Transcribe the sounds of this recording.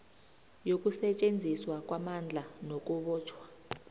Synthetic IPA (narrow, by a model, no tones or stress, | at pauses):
jokʼusɛt͡ʃʼend͡zʱiswakʼwamand͡ɮʱanok̬ʼuɓɔːt͡ʃʰwḁ